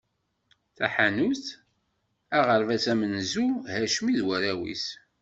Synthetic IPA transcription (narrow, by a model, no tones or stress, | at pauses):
θæħænuθ | æʁəɾvæsæmənzuhæʃmiðwæɾæwḭs